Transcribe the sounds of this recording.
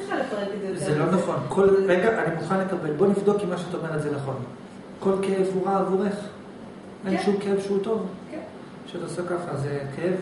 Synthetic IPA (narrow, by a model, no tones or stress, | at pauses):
alefaʁekezelo̞naχo̞nkʰo̞lveeɡeanimuχanle̞kabe̞lbo̞nivd̪o̞kimːaʃeat̪aome̞ʁelzenaχo̞n | ko̞lkeevuʁaːvuʁe̞χ | ʔenʃumkeevʃehut̪o̞v | ʃeat̪aosekaχazekʰeev